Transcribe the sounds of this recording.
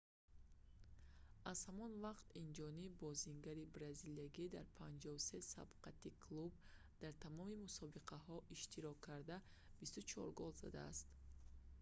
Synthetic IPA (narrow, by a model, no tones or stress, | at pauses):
az̥hamɔnvaqt̪ind͡ʒɔnibɔziŋɡaɾibɾaziliaɡid̪aɾpʰand͡ʒɔvusesa̰bqʰat̪ikʰlub | d̪̥aɾt̪ʰamɔmimusɔbiqʰahɔʔiʃt̪ʰiɾɔkʰːaɾd̪a | b̥ist̪ut͡ʃʰɔ̰ɾɡɔlza̰d̪a̰ːst̪